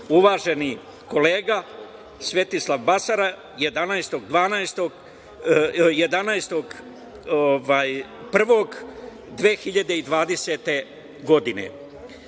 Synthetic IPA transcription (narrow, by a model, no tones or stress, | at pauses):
uʋaːʒe̞ni | ko̞le̞ːɡa | sʋe̞t̪islˠaʋbasaɾa | je̞d̪anajst̪o̞ɡd̪ʋaːnajst̪oɡ | je̞d̪anajst̪o̞ɡ | oʋaːjpr̩ʋo̞ɡ | d̪ʋeːxiʎad̪e̞id̪ʋaːd̪e̞set̪e̞ | ɡo̞d̪inḛ